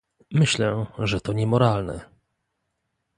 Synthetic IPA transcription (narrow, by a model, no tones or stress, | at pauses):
mɘɕlɛʐɛt̪ɔɲɛmɔɾalnɛ̰